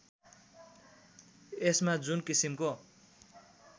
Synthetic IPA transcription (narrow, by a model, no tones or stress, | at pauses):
esmad͡zunkisimko